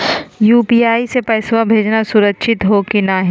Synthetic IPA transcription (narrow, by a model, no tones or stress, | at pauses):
juːpiːaːisepɛːswabʱeːd͡ʒnasʊɾəkʃʰɪt̪ɦokinaɦĩ